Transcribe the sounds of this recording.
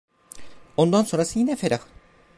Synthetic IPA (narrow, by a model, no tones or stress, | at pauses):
o̞nd̪anso̞nɾasɯjinɛfeɾak